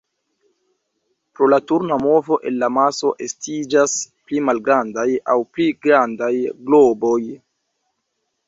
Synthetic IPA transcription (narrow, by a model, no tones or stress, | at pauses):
pɾo̞latuɾnamo̞vo̞ʔe̞̰nlamaso̞ʔe̞stid͡ʒasplimalɡɾandajawpliɡɾandajɡlobo̞j